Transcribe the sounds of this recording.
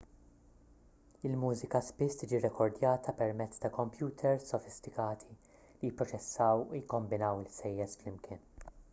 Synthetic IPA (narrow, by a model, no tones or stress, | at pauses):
ɪlmuːzɪkɐspɪst̪iːd͡ʒiɾɛkʰɔɾd̪jɐːt̪ʰɐpɛɾmɛt͡sːt̪ɐkɔmpjuːt̪ʰɛɾssɔfɪst̪ɪkɐːt̪ʰi | lijɪpːɾɔt͡ʃɛsːɐwujɪkːɔmbɪnɐwɪlsɛjːɛsflɪmkʰɪːn